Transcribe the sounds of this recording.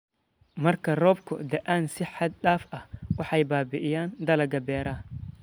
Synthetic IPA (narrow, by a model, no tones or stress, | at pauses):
mɐrkʰɐrɔːb̚kʰʊ̰d̪ɐʔaːnsɪħɑd̪̚ɗaːfɐhwɑħɑjbaːbɪʔɪjaːnd̪ɐlɐɡɐbɛːɾaː